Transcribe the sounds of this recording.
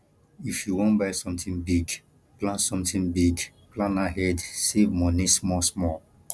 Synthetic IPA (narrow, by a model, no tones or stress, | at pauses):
ifjuwɔ̃nbaɪsɔ̃mt̪ĩŋbiɡ | plãnsɔ̃mtĩŋbiɡ | plãnaɦɛdsevmɔnismɔsmɔl